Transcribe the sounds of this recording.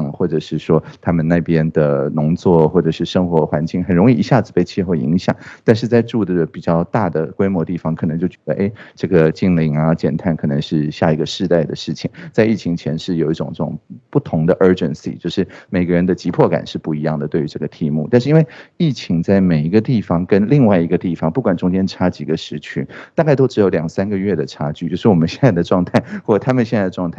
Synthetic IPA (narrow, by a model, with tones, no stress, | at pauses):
ŋxwɔ˥˩ʈ͡ʂɤ˨˩ʂɻ̩˥˩ʂwɔ˥t̪ʰa˥mə˨na˥˩ɪpjɛ˥nd̪ə˩nʊ˧˥ŋt͡swɔ˥˩xwɔ˥˩ʈ͡ʂɤ˨˩ʂɻ̩˥˩ʂɤ˥ŋxwɔ˧˥xwa˧˥nt͡ɕi˥˩ŋxə˨˩nɻʊ˧˥ŋi˥˩i˧˥ɕja˥˩d͡zɹ̩˩pe˥˧ɪt͡ɕʰɛ˥˧xo˥˩ḭ˧˥ŋɕjɑ̰˨˩˦ŋt̪a˥˧nʂ̬ɻ̩˥˧t͡sa˥˧ɪʈ͡ʂu˥˩d̪ə˩pi˨˩t͡ɕjɑ˥˧ʊt̪a˥˩d̪ə˩kwe˥ɪmwɔ˧˥t̪i˥˩fɑ˧˩ŋkʰnɤ˧˥ŋt͡ɕjo˥˩t͡ɕɥɛ˧˥d̪ə̰˧ʔe˥˩ɪʈ͡ʂɤ˥˩ɡə˩t͡ɕi˥˩ŋli˧˥ŋɐ˧t͡ɕjɛ̰˨˩nt̪ʰa˥˩nkʰɤ˨˩nə˧˥ŋʂɻ̩˥˧ɕja˥˩i˧˥ɡə˧ʂɻ̩˥˧t̪a˥˩ɪd̪ə˩ʂɻ̩˥˩t͡ɕʰi˨˩˦ŋt͡sa˥˧ɪi˥˩t͡ɕʰi˧˥ŋt͡ɕʰjɛ˧˥nʂɻ̩˥˩jo˨˩ʊi˥˩ʈ͡ʂʊ̰˨˩ŋʈ͡ʂɤ˥˩ʈ͡ʂʊ˨˩ŋpu˥˩t̪ʰʊ˧˥ŋd̪ə˧ʔə˞˥ʈ͡ʂə̰˧nsḭ˩t͡ɕjo˥˧ʊʂɻ̩˥˩me˨˩ɪɡə˦ɻə˧˥nd̪ə˨t͡ɕi˧˥pʰwɔ˥˩ka̰˨˩nʂɻ̩˥˧pu˥˩i˧˥jɑ˥˩ŋd̪ə˩t̪we˥˩ɪy˧˥ʈ͡ʂɤ˥˩ɡə˩t̪ʰi˥˧mṵ˥˧t̪a˥˧nʂɻ̩˥˧i˥nwe˥˩ɪi˥˩t͡ɕʰi˧˥ŋt͡sa˥˩ɪme˨˩ɪi˧˥ɡə˧t̪i˥˩fɑ˧˥ŋkə˥nli˥˧ŋwa˥˩ɪi˧˥ɡə˧t̪i˥˩fɑ˧˥ŋpu˥˩kwa˨˩nʈ͡ʂʊ˥ŋt͡ɕjɛ˥nʈ͡ʂʰa˥t͡ɕi˧˩ɡə˦ʂɻ̩˧˥t͡ɕʰy˧˥nt̪a˥˧ka˥˩t̪o˥ʊʈ͡ʂɻ̩˧˥jo˧˥ʊljɑ˨˩ŋsa˥nɡə˨ɥɛ˥˩d̪ə˩ʈ͡ʂʰa˥t͡ɕy˥˩t͡ɕjo˥˧ʂɻ̩˥˩wɔ˨˩mə˦nɕjɛ˥˧nt͡sa˥˩ɪd̪ə˩ʈ͡ʂwɑ˥˧ŋt̪ʰa˥˩ɪxwɔ˥˩ʈ͡ʂə˨˩a˥mə˨nɕjɛ˥˧t͡sa˥˩ə˩ʈ͡ʂwɑ˥˧ŋt̪ʰa˥˩